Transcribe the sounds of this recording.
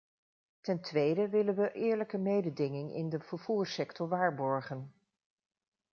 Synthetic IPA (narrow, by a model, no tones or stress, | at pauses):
tɛntʋejdəʋɪlənʋəʔɪːɹləkəmejdədɪŋɪŋɪ̰ndəv̥əɹv̥uːɹsɛktɔɹʋaːɹbɔɹχən